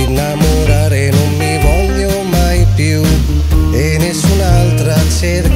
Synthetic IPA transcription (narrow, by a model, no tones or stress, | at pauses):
inamoɾaɾenumːibɔljo | majpiw | enesunalt̪ɾanseɾ